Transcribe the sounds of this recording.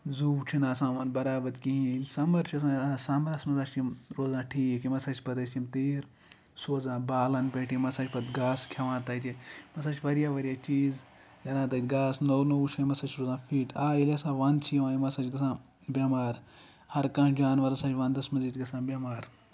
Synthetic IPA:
zuːwt͡ʃʰinaːsãːʋɐnbɐɾaːbɐt̪kiɦĩlʲsɐmɐɾt͡ʃʰiɐs̬ãːsɐmɐɾɐsmɐzaːt͡ʃʲimɾoːzãːʈʰiːkimɐsɐt͡ʃʰʲpɐt̪ɐsʲimt̪eːɾ | soːzãːbaːlɐnpeːʈʰimɐsaːt͡ʃʲpɐt̪ɡaːskʲʰɐʋãːnt̪aːjt̪ʲemɐsaːt͡ʃʰʋɐɾjaːʋɐɾʲjaːt͡ʃiːz | jɐɾãːt̪aːjt̪ʲɡaːsnownowt͡ʃʰãːmɐsat͡ʃʰɾoːzãːfiːʈʰaːjilʲesãːʋant͡sʰiʋãːimɐsat͡ʃɡɐsãː | bʲɐmaːɾ | hɐɾkãːd͡ʒaːnʋɐɾɐsãːt͡ʃʰʲʋɐ̃nd̪ɐsmɐziːt̪ʲɡɐsãːbʲjɐmaːɾ

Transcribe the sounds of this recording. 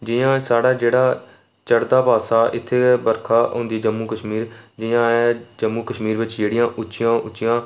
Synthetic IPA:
d͡ʒɪːãːsaːɽaːd͡ʒeːɽaː | t͡ʃəɽd̪aːpaːsaːʔɪt̪ʰːeːbəɾkʰaːɦõ̰ːnd̪iːd͡ʒəmːuːkəʃmiːɾd͡ʒɪjãːɛːd͡ʒəmːuːkəʃmiːɾʋɪt͡ʃd͡ʒeːɽɪjãːʔʊʃɪjãːʔʊt͡ʃːt͡ʃɪjãː

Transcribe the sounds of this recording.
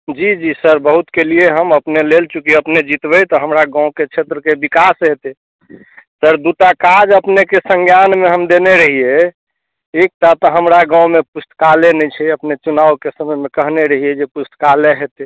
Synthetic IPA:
d͡ʒid͡ʒisəɾbəɦut̪kelieɦəməpnelelt͡ʃukiəpned͡ʒit̪bəjt̪ɔɦəmɾaɡãʊ̃ket͡ʃʰet̪ɾəkebikasɦet̪e | səɾd̪uʈakad͡ʒəpnekesə̃ŋɡjanmeɦəmd̪eneɾəɦie | ek̚ʈat̪ɔɦəmɾaɡãw̃mepusʈ̪kalenɛt͡ʃʰɛəpnet͡ʃunawkesəməmekəɦneɾəɦied͡ʒepust̪kaleɦet̪e

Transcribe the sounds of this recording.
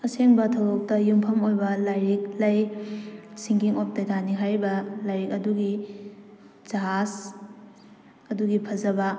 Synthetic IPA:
ɐseŋbɐtʰɐwɾok̚tɐjumpʰɐmojbɐlajɾik̚lɐj | siŋkiŋop̚tɐdʰʱaniɦajbɐlajɾik̚ɐduɡi | z̥aɦas | ɐduɡipʰɐzɐbɐ

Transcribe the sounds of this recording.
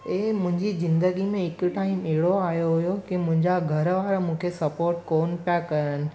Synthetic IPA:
eːmʊ̃ɦɪ̃ɲd͡ʑizɪ̃nd̪əɡimẽɦɪkʊʈaːɪmɐɦɪɽoaːjoɦʊjokimʊ̃ɦɪ̃ɲd͡ʑaɡʱɐɾʋaːɾamũːkʰesɐpoːɾʈkoːnpijakɐɾənɪ̆

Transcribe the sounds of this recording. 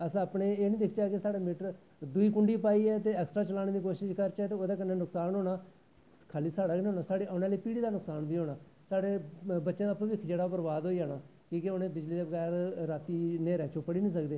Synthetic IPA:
əsãəpɳeːeːnĩːd̪ɪkʰt͡ʃaːkesaːɽeːmɪʈəɾ | d̪uiːkʊɳɖiːpaːiːɛːt̪eːɛːksʈɾaːt͡ʃəlaːñeːd̪iːkoːʃɪʃkəɾt͡ʃɛːt̪eːoːd̪aːkənːeːnʊksaːnoːnaː | kʰaːliːsaːɽaːɡñːɦoːnaːsaːɽeːʔaːnẽaːliːpiːɽiːd̪aːnʊksaːnbiːɦoːnaː | saːɽeːbətːʃẽːd̪aːpːʋikʰd͡ʒeːɽaːpəɾʋaːd̪ɦoːiːaːnaː | kiːkeʊnẽːbɪd͡ʒliːd̪eːbəɡɛːɾɾaːt̪iːneːɾɛːt͡ʃʰoːpːəɽiːnĩːsəkd̪eː

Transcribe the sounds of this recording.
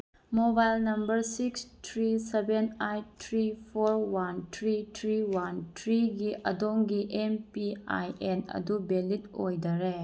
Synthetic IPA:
mobajlnɐmbɐɾsikstʰɾisebenajtʰɾipʰoɾwantʰɾitʰɾiwantʰɾiɡiʔɐ̰doŋɡiʔempia̰jenɐ̰dubelit̚o̰jdɐɾe

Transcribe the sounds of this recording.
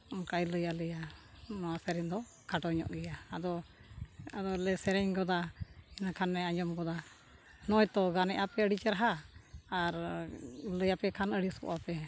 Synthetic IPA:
ɔkajləjaləjanɔwasɛɾɛɲd̪ɔ | kaʈɔɲɔ̰ʔɡɛjaːd̪ɔ | ad̪ɔlɛsɛɾɛɲɡɔd̪ainakʰanːɛaɲd͡ʒɔmɡɔd̪a | nɔjt̪ɔɡanɛʔapɛəɽit͡ʃɛɾaɦaː | ɾ | ləjapɛkʰanəɽiskɔ̰ʔapɛ

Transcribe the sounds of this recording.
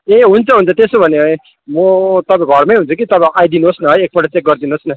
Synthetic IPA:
eɦunt͡sʰʌɦunt͡sʰʌt̪esobʱʌnee | mot̪ʌbaɡʱʌɾmajɦunt͡sʰʌkit̪ʌbãʔajd̪inuosnʌɦʌjek̚bʌʈʌt͡sek̚ɡʌɾd̪inosnʌ

